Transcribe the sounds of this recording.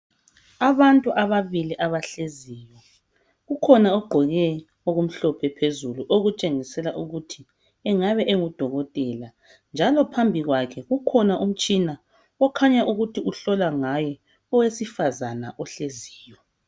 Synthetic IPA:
aβantʼuʔaβaβiliʔaβaɬeziːjɔ | ɣukʰɔnaɔɡ͡ǃʱɔɣɛ | oɣum̩ɬɔpʰɛpʰezuluʔoɣut͡ʃʼeŋisɛlaʔuɣutʰi | ɛŋaβɛʔeŋud̥ʱɔɣɔtʼɛla | nd͡ʒʱalɔpʰambʱiɣwakʰɛɣukʰɔnaʔum̩t͡ʃʼina | ɔkʰaɲaʔuɣutʰiuɬɔlaŋajɛ | ɔwesifazanaʔɔɬeziːjɔ

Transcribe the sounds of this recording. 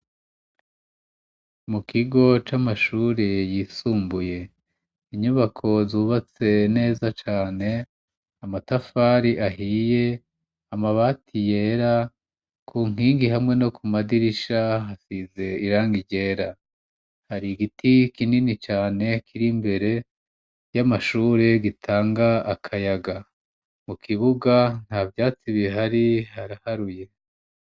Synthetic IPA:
mukiɡo̞t͡ʃamaʃuːɾejiːsuːmbuje̞ | iɲuβakʰo̞zuβat͡se̞ne̞ːzat͡ʃaːne̞ | amatafaɾiʔaɦiːje̞ | amaβatʰije̞ːɾa | kʰuːŋ̥iːŋɡiɦamŋe̞no̞kʰumadiɾiʃaɦasize̞iɾaːŋɡiɟe̞ːɾa | haɾiɡitikininit͡ʃaːne̞kʰiɾimbe̞ɾe̞ | jamaʃuːɾe̞ɡitʰaːŋɡaːkʰajaɡa | mukʰiβuɡan̥haːvjaːt͡siβieɦaɾihaɾahaɾuje̞

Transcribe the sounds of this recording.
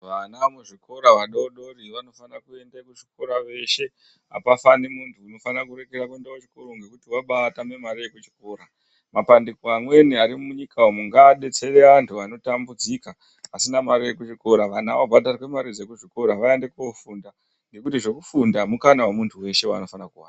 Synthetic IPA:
ʋanamuʐikʰo̞ɾaʋaɗoɗo̞riʋano̞fanakue̞ndakuʐik̚o̞ɾaʋe̞ʃe̞ | a̰pafanemuntʰuːno̞fanrakure̞kerakuendaut͡ʃi̥ko̞ɾoŋɡe̞kutiwaɓatamemaɾijekut͡ʃi̥ko̞ːɾa | mapandeikoamwe̞niaɾimuɲikʰawomuŋɡaɗe̞t͡se̞ɾeantʰuano̞tambud͡zikaː | sinamaɾijekut͡ʃiko̞ɾaʋana̰ʋobʱadʱarakwemaɾid͡ze̞kuʐiko̞ɾaʋaende̞kuofunda | ŋɡe̞kutiʐe̞kufundamukanawemuntʰuwe̞ʃe̞wa̰no̞fanakuwaːna

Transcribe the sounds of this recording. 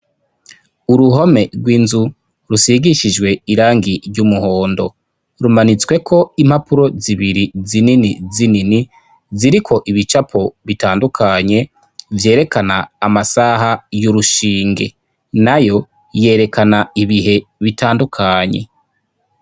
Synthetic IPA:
uɾuɦo̞me̞ɡwiːnzu | ɾusiɡiʃid͡ʒwe̞iɾaːŋɡiɾɟumuho̞ːndo̞̰ | ɾumanit͡swe̞kʰoim̥hapuɾo̞ziβiɾizininizinini | ziɾikʰo̞ʔiβit͡ʃapʰo̞βitaːndukʰaɲe̞ | vje̞ːɾe̞kanaːmasaɦajuɾuʃiːŋɡe̞̰ | najo̞ | je̞ːɾe̞kʰanaiβiɦe̞βitaːndukʰaɲe̞̰

